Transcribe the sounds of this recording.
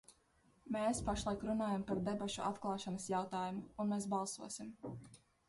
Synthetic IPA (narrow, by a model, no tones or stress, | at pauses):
meːspaʃlˠajkɾunaːjampaɾd̪ebaʃuʔat̪klˠɑːʃanɐsjawt̪aːjumuunmeːsbɑlˠsuɔsim